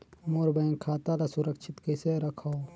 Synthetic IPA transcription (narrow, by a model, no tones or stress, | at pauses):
moːɾbə̃ŋkʰaːt̪alasʊɾəkʃʰɪt̪keseɾəkʰao